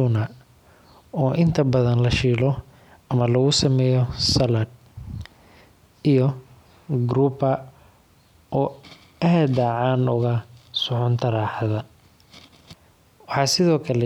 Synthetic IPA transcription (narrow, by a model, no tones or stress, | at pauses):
unɐ | ɔːʔɪnt̪ʰɐbɐðɐnlɐʃiːlɔ | ɐmɐlɐɣʊsɐmɛːjɔsɐlad̪̚ | ijɔ | ɡɾuːbɐ | ʔɔː | ɐɦɐd̪ɐʕɑːnʊɣɐsʊħʊnt̪ʰɐɾaːħðɐ | wɑħɑːsɪðɔːkʰɐlɛ